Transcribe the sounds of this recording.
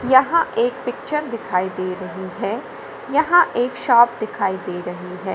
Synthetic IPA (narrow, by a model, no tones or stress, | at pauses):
jɐɦãʔeːkpɪk̚t͡ʃəɾd̪ɪkʰaːid̪eːɾɐɦiɦɛː | jɐɦãʔeːkʃaːp̚d̪ɪkʰaːid̪eːɾɐɦiɦɛː